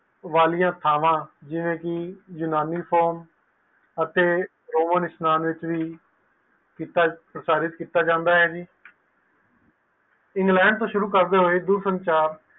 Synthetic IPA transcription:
ʋaːlɪjãːt̪ʰaːʋãːd͡ʒɪʋẽːkɪjʊnaːniːpʰɔːɾm | ət̪eː | ɾoːmənɪsnaːnʋɪt͡ʃʋiː | kiːt̪aːpɾəsaːɾɪt̪kiːt̪aːd͡ʒãːnd̪aːɦɛːd͡ʒiː | ɪŋɡlɛ̃ːɳɖt̪õːʃʊɾuːkəɾd̪eːɦoːeːd̪uːɾsənt͡ʃaːɾ

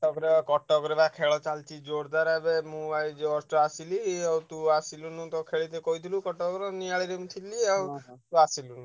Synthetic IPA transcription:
ɔkɾebakɔʈɔkɔɾebakʰeɭɔt͡ʃalt͡ʃʰid͡ʒoɾd̪aɾabemũbajd͡ʒeɔsʈɔasiliawt̪uasilunũt̪ɔkʰeɭit̪ekɔɦit̪ʰilukɔʈɔkɾɔniaɭiɾemũt̪ʰiliawt̪uasilunũ

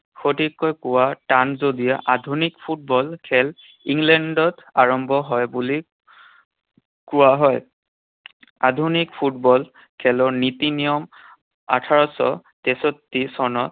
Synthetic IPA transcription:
xotikːɔjkʊwatanzodijaʔadʱunikpʰut̚bɔlkʰɛl | iŋlɛndɔtaɹɔmbʱɔɦɔjbuli | kʊwaɦɔj | adʱunik̚pʰut̚bɔl | kʰɛlɔɹnitinijɔm | a̰tʰaɹɔsɔ̰ | tɛsotːisɔnɔt

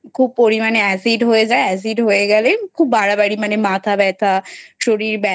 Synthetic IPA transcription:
kʰuːb̚poːɽiːmaneɛsiʈɦoːed͡ʒaɛːs̬iʈɦoːeɡalekʰuːbbaːɽabəɽimɛ̃nemãːt̪ʰabɛːt̪ʰaːt͡ʃʰoːɽibɛ

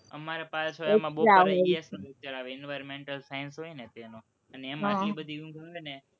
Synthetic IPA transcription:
ə̰maɾepalsoomãɓoaoaset͡ʃəɾaʋeɛnʋaɾmẽɳʈəlsajənsɦoinet̪enõ | əneemãibəd̪ʱiɡũŋɡaʋene

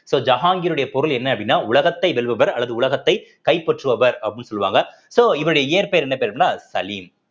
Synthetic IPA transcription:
soːd͡ʒɐɣaːŋɡɪɾɯɽɐjɐpɔɾɯlɛnːɐɐpːɐɽɪnːaːʊɭɐɣɐt̪ːɐɪʋɛɭʋɐʋɐɾɐlːɐðɯʊɭɐɣɐt̪ːɐɪkɐɪpːɐʈrɯʋɐʋɐɾɐpːɐɽɪnːɯsɔlːɯʋa̰ːŋɡɐ | soːɪʋɐɾɯɽɐjɐeːɾpeːɾɛnːɐpeːɾɐɐnːaːsɐliːm

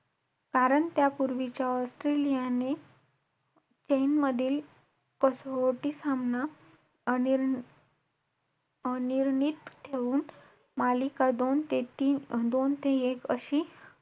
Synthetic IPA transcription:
kaɾəɳt̪japuɾʋit͡ɕjaɔsʈɾelijane | t͡ɕejnməd̪ʱiːl | kɔsʋoʈisamna | niɾnit̪t̪ʰeʋuːn | malikad̪ont̪et̪iːd̪ont̪eekəɕiː

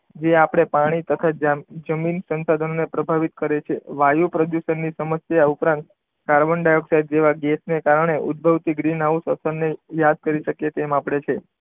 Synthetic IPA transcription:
d͡ʒeapəɽ̃epaɽ̃it̪ət̪ʰad͡ʒd͡ʒəminsənsad̪ʱənonepɾəbʱaʋit̪kəɾet͡ʃʰeʋajupɾəd̪juʃənːisəməsjaupɾãnt̪ | kaɾbəɳɖajoksaɦid̪d͡ʒeʋaɡɛsnekaɾəɳ̃eʔud̪̚bʱəʋt̪iɡɾinaʋũsəsənnejad̪̚kəɾiʃəkjet̪emapɽet͡ʃʰe

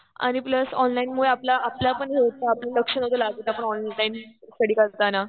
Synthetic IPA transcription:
a̰ñipləsɔnlainmuɭeaplaʔapljapəɳeot̪aaplaləkʂənot̪əlaɡət̪apəɳɔnlainsəɽiːkaɽt̪ana

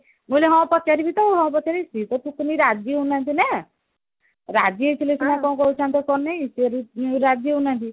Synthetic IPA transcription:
muleɦɔ̃w̃pɔt̪ːjaɾibit̪ɔɦɔ̃w̃pɔt̪jaɾisit̪ɔp̪ukniɾad͡ʒjeɦunant̪inɛ | ɾad͡ʒiejt̪ʰilesimakɔ̃w̃kɔɦut͡ʃʰant̪ɔkɔnejseɾiɾad͡ʒieɦunant̪i

